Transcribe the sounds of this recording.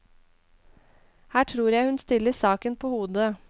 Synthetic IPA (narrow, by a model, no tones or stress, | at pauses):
hæːʈʰɾuːɾjæɪhʉnst̪ɪləsɑːkənpʰoːhuːd̪ə